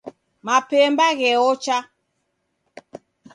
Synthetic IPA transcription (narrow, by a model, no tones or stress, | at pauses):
mapɛmbaɣɛɔt͡ʃa